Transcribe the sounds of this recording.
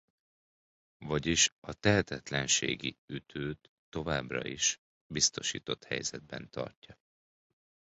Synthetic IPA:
vɒɟiʃɒt̪ɛɦɛt̪ɛt̪lɛnʃeːɡiyt̪ʰøːt̪ːo̞vaːbrɒ̰iʃ | bist̪o̞ʃḭːt̪o̞t̪hɛ̰jzɛd̪̚bɛnt̪ɒ̰rcːɒ

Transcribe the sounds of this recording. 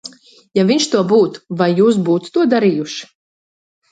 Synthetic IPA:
javʲiɲʃt̪uɔbuːt̪vajːuːs̬buːt̪t̪uɔd̪aɾijuʃ

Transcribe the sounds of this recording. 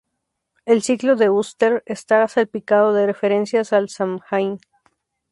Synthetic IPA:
e̞lsikloðe̞ust̪eɾest̪aasalpikað̞o̞ðere̞fe̞ɾe̞nsjasalsamxajn

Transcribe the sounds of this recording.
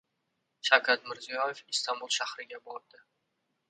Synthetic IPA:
ʃawkʲʰat̪mɪɾzijɒjefist̪ambulˠʃahɾɪɡʲabɒɾd̪ɪ

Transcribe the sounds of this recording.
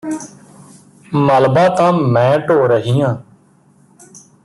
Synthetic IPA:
məlbaːt̪ãːmɛ̃ːʈoːɾəɦiːãː

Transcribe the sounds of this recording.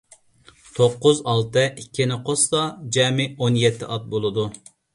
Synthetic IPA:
t̪ʰoqːʊzɑlˠt̪ɨʔikʲʰːinɪqʰost̪ɑd͡ʒɛːmɪonjɛt̪ʰːɪ̰ʔɑt̪̚bolˠɨd̪u

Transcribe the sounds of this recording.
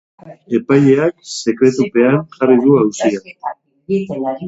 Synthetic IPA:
e̞pajɲʎe̞akse̞kɾe̞t̪upe̞anʝariðuawsia

